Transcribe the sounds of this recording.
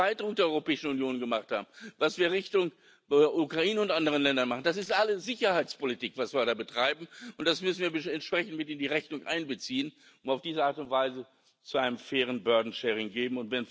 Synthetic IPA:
aɪtdʁʊk̚d̥eːɐɔʏʁopɛːɪʃn̩unjoːnɡəmaχtha̰ːbm̩vasv̥iːɐʁɪçtʊŋ | ʔukʁ̥aʔiːnəʊntʔandəʁ̞ənlɛndɐnmaχn̩das̬ɪstʔaləsz̥ɪçɐhaɪt͡spolitiːkv̥asv̥iːɐdaːbətʁ̥aɪbm̩ʊnt̚d̥asmʏsn̩viːɐbəɛntʃpʁ̥ɛçn̩tmɪtɪndiːʁɛçnʊŋʔa̰ɪnbət͡siːən | ʊntaʊfd̥iːzəaɐtʊntv̥aɪzə | t͡suaɪnəmfeːʁ̞ənbœɐdn̩ʃɛːʁɪŋɡeːbm̩ʊntvɛn

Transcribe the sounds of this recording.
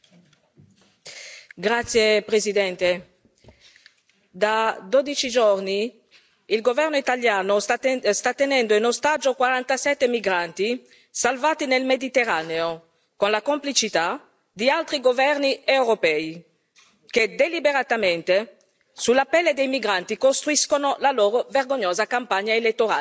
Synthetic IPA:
ɡɾat̪sːjepɾezid̪ɛnt̪e | d̪ad̪od̪it͡ʃid͡ʒorni | ilɡovɛrnoit̪aljaːnost̪at̪ːenɛnd̪oinost̪ad͡ʒːokwaɾant̪asɛt̪ːemiɡɾant̪i | salvaːt̪inelmed̪it̪eraneo | konlakomplit͡ʃit̪a | d̪ialt̪ɾiɡovɛrniewɾopɛːi | ked̪elibeɾat̪ament̪e | sulapɛlːed̪ejmiɡɾant̪ikost̪ɾuiskonolaloːɾoverɡoɲːoːzakampaɲːaelet̪ːoɾa̰

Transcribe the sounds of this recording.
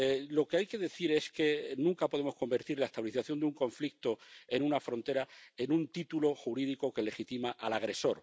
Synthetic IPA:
lo̞ke̞ajke̞ðe̞θiɾe̞ske̞nũŋkapo̞ð̞e̞mo̞sko̞mbe̞ɾt̪iɾlaest̪aβiliθaθjo̞nd̪uŋkõ̞ɱflik̚t̪o̞e̞nunafɾo̞nt̪e̞ɾae̞nũnt̪it̪ulo̞xuɾiðiko̞ke̞le̞xit̪imaʔalaɣ̞ɾe̞so̞ɾ

